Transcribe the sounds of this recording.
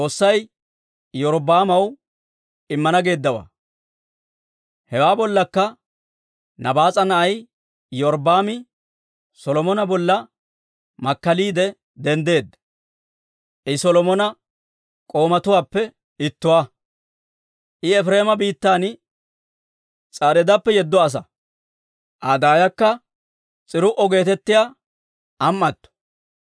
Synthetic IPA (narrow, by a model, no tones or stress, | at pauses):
oːsːɐj | jɔɾbaːmɐw | ɪmːɐnɐɡe̞ːd̪ːɐwa̰ː | hɛwaːbɔlːɐkːɐ | nɐbaːt͡sʼɐnɐɐj | jɔɾbaːmɪ | sɔlɔmɔnɐbɔlːɐ | mɐkːɐliːd̪ɛ | d̪ɛnd̪e̞ːd̪ɐ | ʔɪsɔlɔmɔnɐ | kʼo̞ːmɐt̪ʊwaːpːɛ | ɪt̪ːʊwaː | ʔɪɛfɾe̞ːmɐbiːt̪ːaːn | t͡sʼaːɾɛd̪ɐpːɛjɛd̪ːɔɐs̬ɐ | ʔaːd̪aːjɐkːɐ | t͡sʼɪɾʊʔɔɡe̞ːt̪ɛt̪ːɪja | ʔɐmːɐt̪ːɔ̥